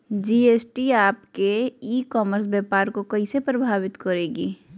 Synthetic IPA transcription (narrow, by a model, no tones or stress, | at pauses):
d͡ʒiːeːsʈiaːpkeiːkɔːməɾsbjɛːpaːɾkokɐisepɾəbʱaːʋɪt̪kɐɾeːɡiː